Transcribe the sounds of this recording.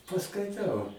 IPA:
pɐskɐɪˈtɐʊ

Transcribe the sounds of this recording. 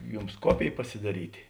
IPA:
ˈjʊms ˈkoːpʲeːj pɐsʲɪˈdɑːrʲiːtʲɪ

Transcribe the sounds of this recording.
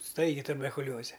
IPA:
ˈstɐɪɡʲɪ tʊbʲɛrkʊˈlʲoːzʲɛ

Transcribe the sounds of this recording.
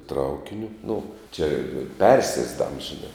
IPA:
ˈtrɐʊkʲɪnʲʊ nʊ t͡ʃʲɛ ˈpʲɛrʲsʲiɛzdɐms ʒʲɪˈnɐ

